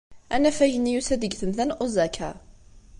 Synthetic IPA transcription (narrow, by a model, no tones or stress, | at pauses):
ænːæfæjənːijusæðəɡθəmθænʔuzækʰæ̰